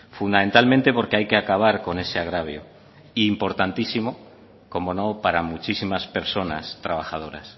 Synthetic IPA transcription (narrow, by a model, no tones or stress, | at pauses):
fund̪ame̞nt̪almẽnt̪e̞po̞ɾkeajke̞akaβ̞aɾko̞ne̞se̞aɣɾaβ̞jo̰ | iːmpo̞ɾt̪ant̪isimo̞ | ko̞mo̞no̞paɾamut͡ʃisimaspe̞ɾso̞na̰st̪ɾaβ̞axað̞o̞ɾa̰s